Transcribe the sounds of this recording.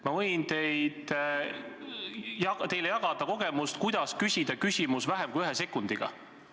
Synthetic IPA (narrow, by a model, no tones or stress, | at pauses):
mɑvɤjnt̪e̞jd̪̥ | jɑt̪e̞jlejɑɡ̥ɑd̪̥ɑko̞ɡ̥e̞must̪kujd̪̥ɑskysʲid̪̥ɑkysʲimusvæɦemkujyɦese̞kːˑund̪̥iɡ̥ɑ̰